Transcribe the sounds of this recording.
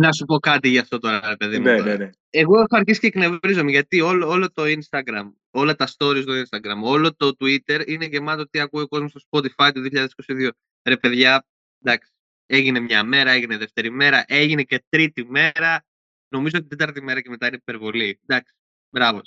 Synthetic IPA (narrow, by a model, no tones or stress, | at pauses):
nɐsupo̞kɐt̪iʝɐft̪o̞t̪o̞ɾɐɾe̞pe̞ðimene | eɣo̞exoɐɾçisi̥cekne̞vɾizo̞miʝɐt̪io̞loolo̞t̪o̞inst̪ɐɡɾɐm | o̞lɐt̪ɐst̪o̞ɾist̪o̞inst̪ɐɡɾɐmo̞lo̞t̪o̞t̪uit̪e̞ɾineʝe̞mɐt̪ot̪iɐkueoko̞zmost̪ospo̞t̪ifɐit̪oðioçiʎɐðesi̥ko̞siðio̞ | ɾe̞pe̞ðʝɐ | d̪ɐksi̥ | e̞ʝinemɲɐme̞ɾɐe̞ʝine̞ðe̞ft̪e̞ɾime̞ɾɐʔe̞ʝine̞ce̞t̪ɾit̪ime̞ɾɐ | no̞mizoot̪id̪et̪ɐɾt̪ime̞ɾɐceme̞t̪ɐinepe̞ɾvo̞lid̪ɐksi̥ | bɾɐvo̞s